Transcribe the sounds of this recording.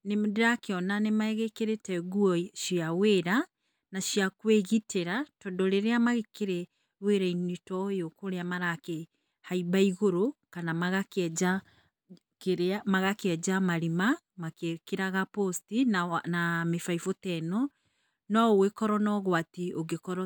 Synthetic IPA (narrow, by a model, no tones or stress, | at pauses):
nemdeɾakeɔnanemaɛɣekeɾetɛɣuɔʃiaweɾa | naʃiakweɣiteɾatɔndɔɾeɾeamaɣekeɾɛ | weɾainitɔjokoɾeamaɾake | haibaiɣoɾokanamaɣaka | keɾamaɣakeɛd͡ʒamaɾima | makekeɾaɣapɔstinnamefaifotɛnɔ | nɔowekɔɾɔnɔɣwatioɣekɔɾɔ